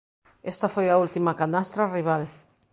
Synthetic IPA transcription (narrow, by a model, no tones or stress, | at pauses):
est̪afojault̪imakanast̪ɾariβ̞al